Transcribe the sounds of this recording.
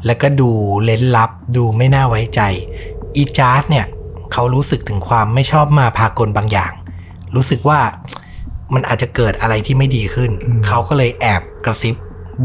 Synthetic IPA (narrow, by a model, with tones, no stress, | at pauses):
lɛ˦˥wkɔː˥˩duː˧le˦˥nla˦˥p̚duː˧ma˥˩jnaː˥˩wa˦˥jt͡ɕa˧jʔiː˧t͡ɕaː˦˥sni˥˩ɐ | kʰa˦˥wɾuː˦˥sɯ˨˩k̚t̪ʰɯ˩˦ŋkʰwaː˧mːa˥˩jt͡ɕʰɔː˥˩p̚maː˧pʰaː˧ko˧nbaː˧ŋja̰ː˨˩ŋ | ɾuː˦˥sɯ˨˩k̚waː˥˩ | ma˧nʔaː˨˩t͡ɕa˨˩kɤː˨˩t̪̚ʔa˧ɾa˧jt̪ʰiː˥˩ma˥˩jdiː˧kʰɯ˥˩nkʰa˦˥wkɔː˥˩lɤː˧jʔɛː˨˩p̚kɾa˧si˦˥p̚